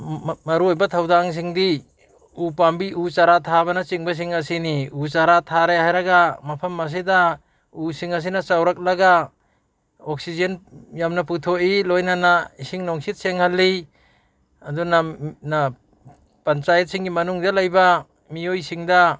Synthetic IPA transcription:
mɐɾuojbatʰawdaŋs̬iŋdi | upambiʔut͡ʃaɾatʰabanat͡ʃiŋbas̬iŋɐsiniut͡ʃaɾatʰaɾehajɾaɡamɐpʰɐmːas̬ida | usiŋɐs̬inat͡ʃawɾak̚laɡa | ok̚sizenjamnap̬utʰoʔilojnanaisiŋnoŋsit̚seŋhalːi | adunana | pɐnt͡ʃajet̚siŋɡimɐnuŋdalajba | mijojsiŋda

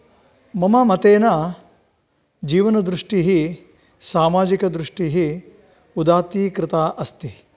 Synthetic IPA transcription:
mɐmɐmɐt̪eːna | d͡ʒiːʋɐnɐd̪ɾuʂʈiɦi | saːmaːd͡ʒikɐd̪ɾuʂʈiɦi | ud̪aːt̪iːkɾɪt̪aːʔɐst̪i

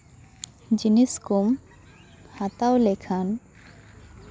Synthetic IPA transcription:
d͡ʒiniskum | hat̪awlekʰan

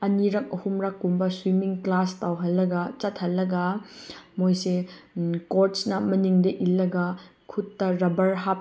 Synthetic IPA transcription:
ɐniɾɐk̚ɐhumɾɐkːumbɐswimiŋklastawɦɐlːɐɡɐt͡ʃɐt̚ʰhɐlːɐɡɐ | mojsekoɾtsnɐmɐniŋdɐʔilːɐɡɐ | kʰutːɐɾɐbɐɾɦap̚

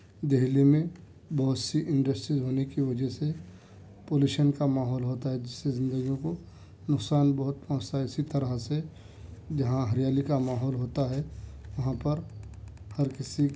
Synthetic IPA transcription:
d̪eɦlimẽ | bɔɦʊt̪siʔɪ̃ɳɖəsʈɾizɦoːnekiʋɐd͡ʒəɦse | poːljuːʃənkamaːɦɔːlɦoːt̪aɦɛd͡ʒɪsːezɪ̃nd̪əɡijõko | nʊksaːnbɐɦʊt̪̚pɔ̃ːt͡ʃt̪aɦɛɪsit̪ɐɾəɦse | d͡ʒɐɦãɦɐɾɪjaːlikamaːɦɔːlɦoːt̪aɦɛʋɐɦãpɐɾ | hɐɾkɪsi

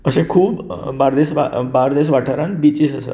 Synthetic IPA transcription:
əsẽkʰuːbbaɾd̪esʋa̰baɾd̪es̬ʋaʈʰəɾãnt̪bit͡ɕiːsəsə̰

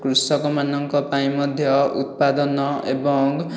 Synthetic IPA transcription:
kɾusɔkɔmanɔŋkɔpaĩmɔd̪ʱjɔṵt̪̚pad̪ɔnɔʔḛbɔŋ

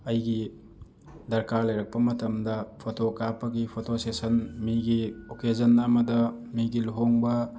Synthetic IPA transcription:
ɐjɡi | dɐɾkaɾlɐjɾɐk̚pɐmɐtɐmdɐpʰotokapːɐɡipʰotʰosesɐnmiɡiokezɐnːɐmɐdɐmiɡiluɦoŋbɐ

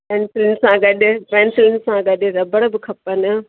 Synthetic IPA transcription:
pɛːnsɪlɪnɪ̆sãɡɐɗɪ̆pɛːnsɪlɪnsãɡɐɗɪ̆ɾɐbəɽbɪkʰɐpənʊ̆

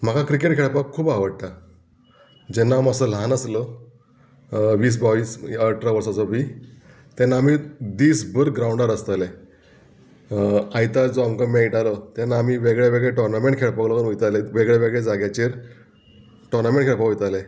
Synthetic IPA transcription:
m̤akakɾikeʈ̚kʰeɭpakʰːuːbaʋəɽt̪a | d͡ʑɛnːaməsəlanəslə | ʋiːs̬baʋiːsəʈʰɾaʋəɾsat͡sɔbi | t̪ɛnːaːmid̪iːsbəɾɡɾaũɳɖəɾəst̪ale | ajt̪ad͡zoamkəmeiʈalət̪ɛnːaːmiːʋeɡɭjaʋeɡɭeʈɔɾnamẽɳʈkʰeɭpəklɔkənɦojt̪aleʋeɡɭaʋeɡɭed͡zaɡjat͡ɕeɾ | ʈɔɾnameɳʈkʰeɭpakɦojt̪ale

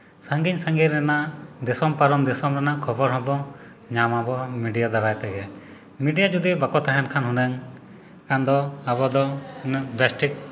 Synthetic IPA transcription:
səŋɡiɲsəŋɡiɾɾɛnad̪ɛsɔmpaɾɔmd̪ɛsɔmɾɛnakʰɔbɔɾɦɔ̃bɔ̃ | ɲamabɔmiɖijad̪aɾajt̪ɛɡɛ | miɖijad͡ʒud̪ibakɔt̪aɦɛnkʰanɦunɛŋ | kand̪ɔabɔd̪ɔbɛsʈik̚

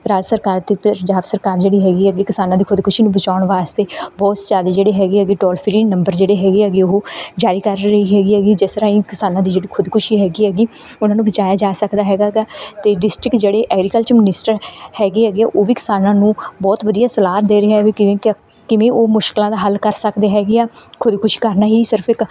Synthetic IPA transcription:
ɾaːd͡ʒsəɾkaːɾt̪eːpəɲd͡ʒaːbsəɾkaːɾd͡ʒeːɽiːɦɛːɡiːɦɛːɡiːkɪsaːnãːd̪iːkʰʊd̪kʊʃiːnũːbət͡ʃaːʊɳʋaːst̪eːbɔːt̪zaːd̪eːd͡ʒeːɽeːɦɛːɡeːɦɛːɡiːʈɔːlpʰɾiːnə̃mbəɾd͡ʒeːɽeːɦɛːɡeːɦɛːɡiːoɦod͡ʒaːɾiːkəɾɾəɦiːɦɛːɡiːɦɛːɡiːd͡ʒɛːst̪əɾaːĩːkɪsaːnãːd̪iːd͡ʒeːɽiːkʰʊd̪kʊʃiːɦɛːɡiːɦɛːɡiː | ʊnãːnũbət͡ʃaːjaːd͡ʒaːsəkd̪aːɦɛːɡaːɡaːt̪eːɖɪsʈɾɪkd͡ʒeːɽeːʔɛːɡɾiːkəlt͡ʃəɾmɪnɪsʈəɾhɛːɡeːɦɛːɡeːaːʔoːʋiːkɪ̥saːnãːnũːbɔːt̪ʋəd̪ijaːsəlaːɾd̪eːɾəaɛʋikɪẽː | kɪʋẽːʔoːmʊʃkɪlãːd̪aːɦəlkəɾsəkd̪eːɦɛːɡeːaːkʰʊd̪kʊʃi̥ːkəɾnaːɦiːsɪɾpʰɪk

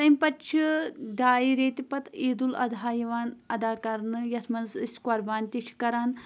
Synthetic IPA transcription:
t̪ɐmʲpɐtːt͡ʃʰiɖaːiɾeːt̪ipɐt̪eːd̪ulɐ̰d̪ʱaːjɐʋaːnɐd̪aːkɐɾnɨjɐsmɐnziskwɐɾbaːnʲt̪iʃʰi̥kɐɾaːn

